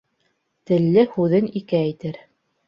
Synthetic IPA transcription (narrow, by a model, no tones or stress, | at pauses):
t̪ɘ̆lːɘhʉðɘnikæːjt̪ɘɾ